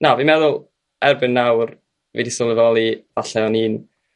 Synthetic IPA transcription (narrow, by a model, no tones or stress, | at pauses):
navimɛðʊlˠ | ɛrbɪnːawr | vḛdisʊlˠəvɔlˠivaɬɛɔniːn